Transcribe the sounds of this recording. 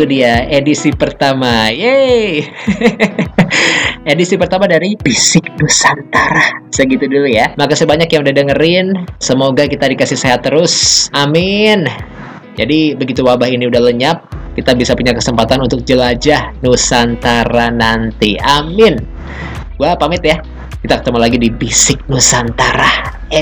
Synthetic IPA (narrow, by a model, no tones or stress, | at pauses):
udiaedisipərt̪amaje | edisipərt̪amadaɾipisɪk̚dusant̪aɾasəɡit̪udulujamakasəbaɲakjãŋudahdəŋəɾɪnsəmoɡakit̪adikasɪhseɦat̪ːəɾʊsamɪn | d͡ʒadibəɡit̪uwabahiniudahləɲap̚kit̪abisapuɲakəsəmpat̪anunt̪ʊk̚d͡ʒəlad͡ʒahnusant̪aɾanant̪iamɪn | wapamɪt̪ja | kit̪akə̥t̪əmalaɡidibisɪk̚nusant̪aɾah